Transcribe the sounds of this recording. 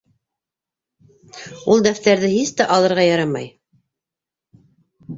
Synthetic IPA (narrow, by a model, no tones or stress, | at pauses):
ulˠd̪æft̪æɾðɘhist̪æʔɑlˠɤ̆ɾʁɑjɑɾɑmɑ̰j